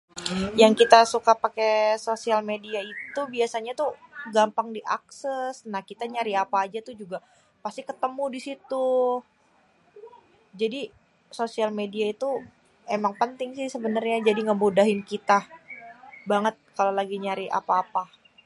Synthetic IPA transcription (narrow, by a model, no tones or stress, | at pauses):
jaŋkit̪asukapakesosialmediait̪ubiasaɲat̪uɡampaŋdiʔa̰ksɛsnahkit̪aɲaɾiapaːd͡ʒat̪ʊhd͡ʒuɡa | past̪ikət̪əmudisit̪u | d͡ʒadi | sosialmediait̪u | emaŋpənt̪ɪŋsɪhsəbənərɲad͡ʒadiŋəbudaɦɪnkit̪a | baŋət̪̚kalolaɡiɲaɾia̰paːpa